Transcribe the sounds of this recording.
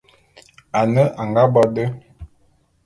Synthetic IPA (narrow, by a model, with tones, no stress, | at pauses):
a˨nə˦ʔa˨ŋɡa˦bɔ˦də˦